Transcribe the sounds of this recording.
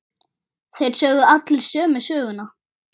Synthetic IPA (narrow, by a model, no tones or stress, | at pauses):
θejɾ̥sœːɣðʏat̪lɪlsœːmʏsœːɣʏnːa